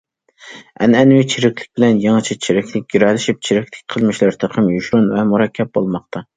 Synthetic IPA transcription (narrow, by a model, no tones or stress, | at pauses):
ɛ̰nɛnwit͡ʃʰiɾɪkʲlɪ̥k̚ʲbɪlɛnjɑŋɑt͡ʃʰit͡ʃʰiɾɪkʲlɪk̚ʲɡ̥ʲiɾɑlɪʃip̚t͡ʃʰiɾɪkʲt̪ɪ̥kʲqʰəlˠmɪʃlɪɾt̪ʰəqʰəmjuʃɾunvɛmuɾɑkʲʰːɛp̚bolˠmɑqt̪ʰɑ